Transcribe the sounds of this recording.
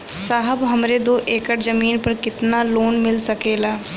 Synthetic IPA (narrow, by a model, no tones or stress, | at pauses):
saːɦəbɦəmɾed̪oːʔeːkəʈzəmiːnpəɾkɪt̪naːloːnmɪlsəkeːlaː